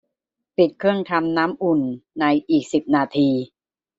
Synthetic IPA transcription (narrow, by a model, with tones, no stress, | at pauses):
pi˨˩t̪̚kʰɯ˥˩əŋt̪ʰa˧mnaː˦˥mʔu˨˩nːa˧jʔiː˨˩k̚si˨˩p̚naː˧t̪ʰiː˧